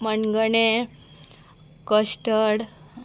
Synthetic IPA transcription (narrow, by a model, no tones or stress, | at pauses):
mənɡəɳe | kəsʈəɽ